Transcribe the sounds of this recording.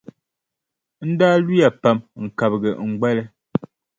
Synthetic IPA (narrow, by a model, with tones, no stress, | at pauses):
n̩˦daː˦li˦ja˨pa˦˨mŋ̩˨ka˨bɡɛ˨ŋ̩˨ɡ͡bɛ˦lɛ˦